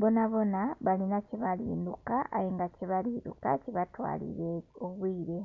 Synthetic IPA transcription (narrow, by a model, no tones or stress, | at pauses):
βo̞naβo̞naβalinaciβalḭːndukaːjiŋɡaciβaliːdṵka̰ciβatwa̰ːlḭɾeoβwiːɾe̞